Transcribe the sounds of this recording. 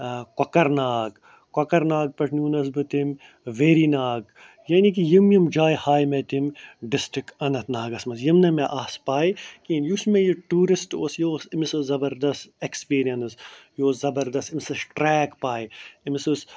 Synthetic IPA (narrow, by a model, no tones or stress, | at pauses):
kɐkɐɾnaːɡ | kɐkɐɾnaːɡ̚pɐʈʰnuːnɐs̬bɨt̪im | ʋeːɾinaːɡ | jɐnik̬ijimjimd͡ʒaːjhaːjmet̪imɖɪsʈɾɪkɐnɐt̪ʰnaːɡɐsmɐsjimnɐmeʔaːspaːjkiːnjusmejiʈuːɾisʈoːsjoːsimisɐzɐbɐɾd̪ɐstekspiːɾijɐnɨsjoːzɐbɐɾd̪ɐstimisɐsʈɾɛːkpaːjimisɨs